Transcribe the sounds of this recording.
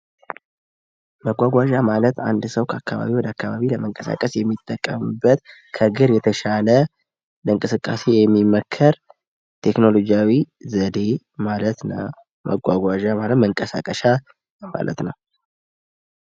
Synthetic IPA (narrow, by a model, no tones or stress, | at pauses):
məɡʷaɡʷaʒamalət̪a̰nd̪səwkʰəakːaβa̰βiwɔd̪əakːaβaβiləməŋkʼəsa̰kʼəsjɛmːit̪ʼːəkʼːəmɨbːət̪ | kʰəɡɨɾjɛt̪ʰəʃalə | ləɨŋkʼɨsɨkʼːa̰se̞jɛmːimːəkʰːəɾ | t̪ʰekno̞lo̞d͡ʒijawizəd̪e̞ | malət̪nəw | mʔə̰ɡʷa̰ɡʷaʒamalət̪məŋkʼəsakʼəʃa | ma̰lʔə̰t̪nəw